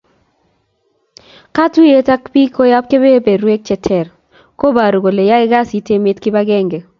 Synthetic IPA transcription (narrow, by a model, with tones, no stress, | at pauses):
ka˦tu˦je˦ta˦kpi˦ko˦ja˦p̚ke˦be˦be˨ɾwe˦k̚t͡ʃɛ˨tʰɛ˨r | ko˦ba˨ɾu˨ɡo˨le˨ja˦ɪ˦ɡa˦si˦te˦mɪ˦tkɪ˦ba˦ɡɛ˦ŋɡe˨